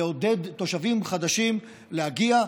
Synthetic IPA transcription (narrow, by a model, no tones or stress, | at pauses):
o̞d̪e̞d̪to̞ʃavimχad̪aʃim | lehaɡia